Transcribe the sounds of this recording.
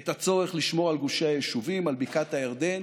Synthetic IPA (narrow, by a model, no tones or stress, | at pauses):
et̪at͡so̞ʁeχliʃmo̞ʁalɡuʃeajeʃuvimalbikat̪hajaʁd̪en